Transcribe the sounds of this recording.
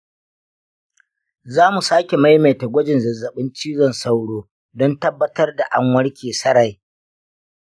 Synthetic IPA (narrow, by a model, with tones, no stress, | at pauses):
zaː˦mu˨saː˦kʲe˨ma˦jme˨ta˨ɡʷɐ˦d͡ʒɪ˨nzɐ˨zːɐ˨ɓɪ˦nt͡ʃiː˦zɔ˨nsa˦wɽoː˦ | dɔ˦ntɐ˦bːɐ˦tɐ˦rda˨ʔa̰˦ŋwɐ˦ɽkʲʰeː˨sɐ˦ɽa˨j